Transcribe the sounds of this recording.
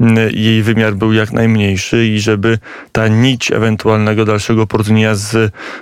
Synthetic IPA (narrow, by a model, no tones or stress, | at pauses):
jejvɘmʲjaɾbɘwjaknʔajmɲejʂɘiʐɛbɘ | t̪aɲit͡ɕɛ̰vɛnt̪ualnɛɡɔd̪alʂɛɡɔpɔɾuvɲeɲaz